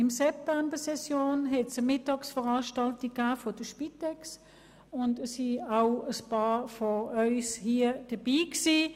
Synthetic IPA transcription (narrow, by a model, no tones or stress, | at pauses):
ɪmsɛp̚tɛmbəsɛsjoːnɦɛtsəmɪtːɑksfəʁɑːʃtɑltikːaːfod̥əʃpitɛks | ʊndəsiaʊəspɑːfoœʏshiːəd̥əb̥iːksiː